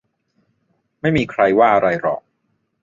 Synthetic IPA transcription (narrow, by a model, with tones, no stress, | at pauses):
ma˥˩jmiː˧kʰɾa˧jwaː˥˩ʔa˧ɾa˧jɾɔ̰ː˨˩k̚